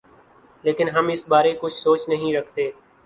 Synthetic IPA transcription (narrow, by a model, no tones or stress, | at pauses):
leːkɪnɦəmɪsbaːɾeːkʊt͡ʃʰsoːt͡ʃnəɦĩːɾəkʰt̪eː